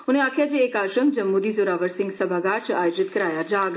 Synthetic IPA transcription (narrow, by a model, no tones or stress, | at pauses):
ʊneaːkʰjad͡ʒeːkaːʃəmd͡ʒɐmːud̪izoːɾaːʋəɾsɪ̃ŋɡsəbʱaɡaːɾt͡ʃʰʔaːjod͡ʒɪt̪kəɾaːjad͡ʒaːɡ